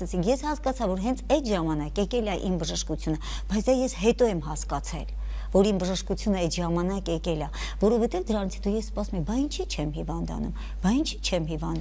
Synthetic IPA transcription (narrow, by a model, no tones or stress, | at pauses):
ɛt͡sʰikʰjɛshɑskɑt͡sʰɑvɔɾɦɛnt͡sʰɛt̪ʒɑmɑnɑkɛkɛlɑʔḭmbəʒəʃkut͡sʰjunə | b̥ɑjt͡sʰd̪ɑjɛsɦɛt̪ɔɛmɦɑskɑt͡sʰɛ̰l | vɔɾimbəʒəʃkut͡sʰjunəɛt̪ʒɑmɑnɑkɛkɛlɑ | vɔɾɔvɛt̪ɛvd̪əɾɑnit͡sʰɛt̪ujɛsspɑsumɛkbɑint͡ʃʰit͡ʃʰɛmhivɑnd̪ɑ̰nṵm | b̥ɑint͡ʃʰit͡ʃʰɛmhivɑnd̪